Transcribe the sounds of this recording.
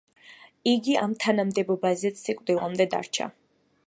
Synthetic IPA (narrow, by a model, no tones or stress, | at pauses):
iɡiamt̪ʰanamd̪ɛbɔbazɛt̪sikʼvd̪ilamd̪ɛd̪a̰ɾt͡ʃʰa̰